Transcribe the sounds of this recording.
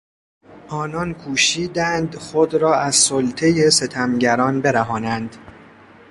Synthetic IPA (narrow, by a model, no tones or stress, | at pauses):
ʔɒːnɒːnkʰuːʃiːd̪ænd̪xod̪ɾɒːæzsolt̪ʰe̞je̞se̞t̪ʰæmɟæɾɒːnbe̞ɾæɦɒːnænd̪